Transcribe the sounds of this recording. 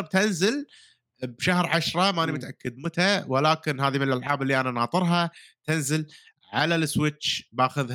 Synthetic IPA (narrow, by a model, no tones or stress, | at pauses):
b̚t̪ɪnzɪl | bʃahɾʕaʃɾˤɑmaʔnimʊt̪ʔakːɪd̪mʊt̪awɪlaːkɪnɦaːðimɪnɪlʔalʕaːbɪlːiʔananɑːt̪ˤɨɾˤɦɑt̪ɪnzɪl | ʕalalɪswɪt͡ʃːbaːxʊð